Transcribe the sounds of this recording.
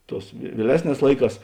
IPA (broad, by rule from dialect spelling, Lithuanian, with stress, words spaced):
ˈtoːs ʋʲiɛˈlʲæːsʲˌnʲɛːs ˈlˠɐɪˌkɑːs